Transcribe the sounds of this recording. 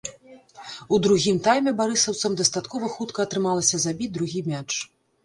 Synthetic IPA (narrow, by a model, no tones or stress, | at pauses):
ud̪ɾuɣʲimt̪ajmʲɛbaɾɨsɐwt̪sɐmd̪ɐst̪at̪kɔvɐxut̪kɐːt̪ɾɨmalˠɐsʲɐzabʲid̪ɾuɣʲimʲat͡ʂ